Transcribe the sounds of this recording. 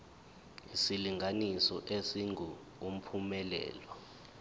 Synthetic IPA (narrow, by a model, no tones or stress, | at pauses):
isiliŋʱanisɔʔesiŋʱu | um̩pʰumɛlɛ̰ːlɔ